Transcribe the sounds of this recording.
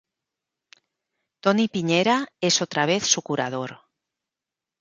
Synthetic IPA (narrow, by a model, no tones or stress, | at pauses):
t̪onipiɲeɾaesot̪ɾaβ̞eθsukuɾa̰ð̞oɾ